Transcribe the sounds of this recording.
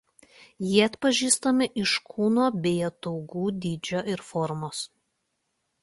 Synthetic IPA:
jiɛɐt̪pɐʒʲiːst̪omʲɪʔɪʃkʰuːnoːbʲeːjot̪ɔʊɡuːd̪ʲiːd͡ʒʲoːʔɪɾfɔɾmoːs

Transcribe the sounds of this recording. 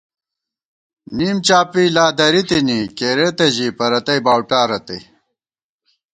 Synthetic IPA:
niːmt͡ɕaːpiːlaːd̪ɐɾit̪inikeɾet̪ɐʑiːpɐɾɐt̪ɐjbaːwʈaːɾɐt̪ɐj

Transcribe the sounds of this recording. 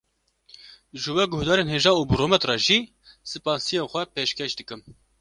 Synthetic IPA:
ʒɨwɛɡʊhd̪ɑːɾeːnɦeːʒɑːnuːbɨɾoːmɛt̪rɑːʒiː | sɨpɑːnsijeːnxʷɛpeːʃkɛʃd̪ɨkɨm

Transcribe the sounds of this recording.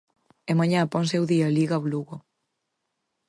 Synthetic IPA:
ɛmaɲãpɔ̃nsewðiɐliɣawluɣo

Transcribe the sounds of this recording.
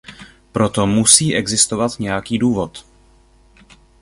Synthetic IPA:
pɾo̞t̪o̞musiːʔɛɡzɪst̪ovat̪ɲɛjakiːduːvo̞t̪

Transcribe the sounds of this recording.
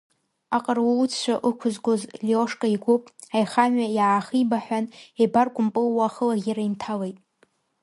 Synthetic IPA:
aqʼərwt͡sʰt͡ʃʷʰaʔɨkʷʰʊzɡʷozlioʂkʼaiɡʷʊpʼajχamɥajaːχibaħʷᶣanebarkʷʼʊmpʼɨlwaχəlaɡʲaɾaintʰalejtʼ

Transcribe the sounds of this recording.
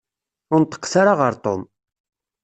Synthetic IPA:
ʊɾnt̪ːə̥qːsaɾaʁəɾt̪ˤo̰m

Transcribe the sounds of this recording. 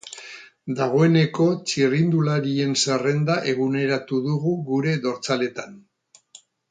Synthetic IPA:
d̪aɣ̞o̞e̞ne̞ko̞t͡ʃirind̪ulaɾie̞nsere̞nd̪aʔe̞ɣ̞une̞ɾat̪uðuɣuɣuɾe̞ðo̞ɾt͡sale̞t̪an

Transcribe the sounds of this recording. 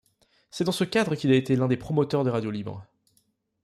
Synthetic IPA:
sɛd̪ɑ̃səkʲad̪ʁəkʲilaet̪elɛ̃d̪epχɔmɔt̪œʁd̪əʁad̪jolibɑ̰̃

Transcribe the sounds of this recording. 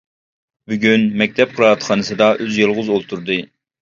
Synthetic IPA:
byɡʲynmɛk̚ʲt̪ʰɛp̚qʰəɾˠɑɑt̪χɑnɨsɨd̪ɑʔøzjɨlˠʁʊzolˠt̪ʰuɾd̪ɨ

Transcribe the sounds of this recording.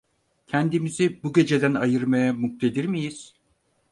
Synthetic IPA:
cʰænd̪imizibuɟe̞d͡ʒe̞d̪ænajɯɾmajamuk̚t̪ʰe̞d̪iɾmijiz̥

